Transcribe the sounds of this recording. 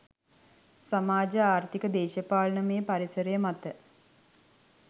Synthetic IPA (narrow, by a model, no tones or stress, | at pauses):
samaːd͡ʒəaːrt̪ikəd̪eːʃəpaːlnəmeːpaɾisəɾejəmat̪ə